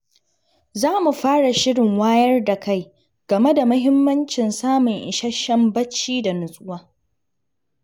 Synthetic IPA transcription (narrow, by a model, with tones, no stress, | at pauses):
zaː˦mu˨ɸaː˦ɽa˨ʃɪ˦ɽɪ˨ŋwaː˦jɐ˦rda˨ka˦˨j | ɡ̥ɐ˨me˦da˨mʊ˦ɦɪ˦mːɐ˦nt͡ʃɪ˨nsaː˦mʊ˨ŋʔɪ̰˨ʃɐ˦ʃɐ˦mbɐ˦t͡ʃːiː˦da˨nʊ˨sʼʊ˦waː˦